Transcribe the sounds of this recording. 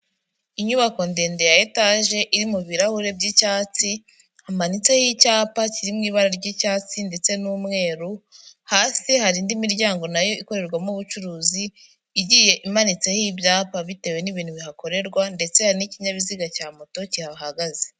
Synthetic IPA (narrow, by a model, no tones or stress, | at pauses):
iɲuβako̞ndeːnde̞jajetaʒe̞ʔiɾimuβiɾahuɾe̞bɟicaːt͡si | hamanit͡se̞hicaːpaciɾimŋiːβaɾaɾɟicaːt͡sinde̞t͡se̞nuːmŋe̞ːɾuhaːsihaɾindimiɾɟaːŋɡo̞najo̞iko̞ɾe̞ɾɡwamuβut͡ʃuɾuːziː | ɟije̞ʔimanit͡se̞hibjaːpaβite̞we̞niβiːn̥uβiɦako̞ɾe̞ɾɡwande̞t͡se̞haɾiniciɲaβiziɡacaːmoto̞cihaɦaɡaze